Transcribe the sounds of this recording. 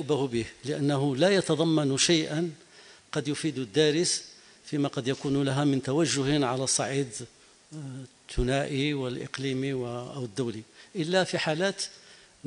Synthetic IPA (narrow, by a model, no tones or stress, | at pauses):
bahʊbihləʔænːæɦʊlæjɑt̪ɑd̪ˤɑmːɑnʃajʔən | qɑd̪jʊfid̪ʊd̪ːæɾəs | fimæqɑd̪jækuːnlaɦæmɪnt̪awæʒːʊhʕalæsˤːɑʕiːd̪ | t̪ːʊnæʔiwəlʔə̰qliːmiwʔwəd̪ːuwliʔəlːæfiħalæːt̪